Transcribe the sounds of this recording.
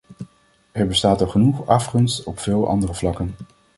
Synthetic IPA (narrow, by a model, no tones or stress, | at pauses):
ɛɹbəstaːtɑχənuχɑfχɵnstɔpfɪːlˠʔɑ̰ndərəvlɑkən